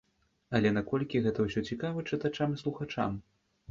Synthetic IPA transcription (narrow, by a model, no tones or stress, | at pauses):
ɐlʲɛnakɔlʲkʲiɣɛt̪ɐwsʲɔt͡sʲikavɐt͡ʂɨt̪at͡ʂamɨslˠuxat͡ʂa̰m